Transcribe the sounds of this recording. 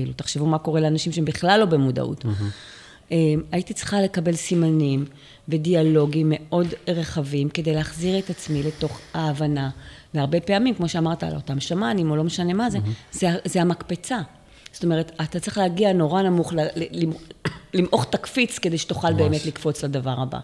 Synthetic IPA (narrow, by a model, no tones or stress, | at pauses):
ilut̪aχʃevumako̞ʁeleanaʃimʃeembiχlalːo̞bemuda̰ʔṵt | emaitit͡sʁi̥χale̞kabe̞lsimanim | ve̞dialo̞ɡime̞ʔo̞dʁeχavimke̞de̞jleːχziʁe̞tat͡smile̞to̞χaːvanaveaʁbe̞pe̞amimkmo̞ʃeamaʁtaa̰lotamʃamanimo̞lo̞meʃane̞maze̞zeazeamakpe̞t͡sa | z̥o̥t̪o̞me̞ʁ̞et̪at̪att͡sʁiχlehaɡiano̞ʁanamuχlllimlimʔo̞χtakfit͡sked̪ejʃe̥tuχalbe̞ːme̞tlikfo̞t͡sladavaʁaba̰